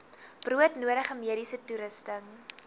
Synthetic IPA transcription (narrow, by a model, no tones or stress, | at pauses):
b̥ruətnuəɾəχəmiəɾisətuɾəstəŋ